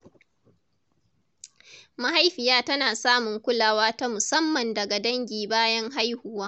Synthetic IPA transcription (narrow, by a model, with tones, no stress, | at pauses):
ma˦ɦa˦jɸɪ˨jaː˦tɐ˦naː˨saː˦mʊ˨ŋkʷʊ˦laː˨waː˦ta˦mʊ˨sɐ˦mːɐ˨ndɐ˨ɡa˨dɐ˦ŋɡʲiː˨baː˦jɐ˦ŋɦa˦jhʊ˦waː˦